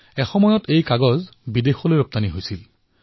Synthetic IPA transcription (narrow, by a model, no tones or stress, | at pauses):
ɛxɔmɔjɔtejkaɡɔzbidexɔlojɹɔp̚taniɦojsil